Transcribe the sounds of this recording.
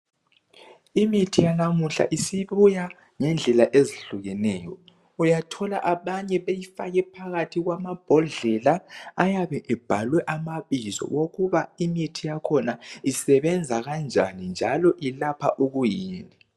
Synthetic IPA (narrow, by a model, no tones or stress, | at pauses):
imitʰijanamuɬa̰ʔisiβuja | ŋɛnd͡ɮʱɛlaʔeziɬuɣɛnɛːjɔ | ujatʰɔla̰ʔaβaɲɛβejifaɣɛpʰaɣatʰiɣwamab̥ʱɔɮɛlaajaβɛʔɛb̥ʱalwɛʔamaβizɔ̰woɣuβaimitʰijakʰɔnaisɛβɛnd͡zʱaɣand͡ʒʱa̰nind͡ʒʱalɔʔilapʰa̰ʔuɣujiːni